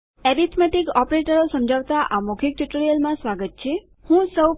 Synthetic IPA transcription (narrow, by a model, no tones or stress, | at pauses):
ɛɾit̪ʰmɛʈikɔpɾeʈəɾosəmd͡ʒʱaʋt̪aʔamokʰik̚ʈuʈɾiəlmãsʋaɡət̪̚t͡ʃʰe | hũsəw